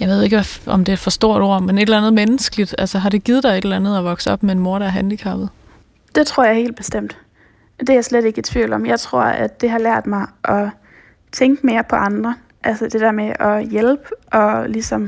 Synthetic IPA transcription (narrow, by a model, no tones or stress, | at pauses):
jɑ̈ɪʋe̝ð̞ˠe̝ɡ̥əʋæɒ̽md̥e̝ed̥fɒ̽sd̥o̝ɐ̰ɾ̥o̝ɐ̰mene̝d̥elænð̞̩ˠmenəsɡ̥əlid̥ælsəɦɑ̈ɾ̥e̝ɡ̥ið̞̩ˠd̥ɑ̈ɪe̝ɾ̥elænð̞̩ˠæʋɒ̽ɡ̥səɒ̽b̥meenmoɐɾæɦænd̥ikʰɑ̈b̥ð̩ˠ | d̥e̝t͡sʰʁo̝ɐ̰jɑɪhe̝̰ːld̥̚b̥e̝sd̥em̰d̥ | d̥e̝æɐsled̥e̝ɡ̥ə̥t͡sʰʋḭʊ̰lɒ̽mjɑ̈ɪt͡sʰʁo̝ɐ̰ædd̥e̝ɦɑ̈læɐ̰d̥mɑ̈ɪʔɒ̽ | t͡sʰeŋɡ̥əme̝ːɐpʰɒ̽ʔɑ̈nd̥ʁɐ | ʔælsəd̥e̝d̥æɐ̰meʔɒjelb̥əʔɒ̽lisɒm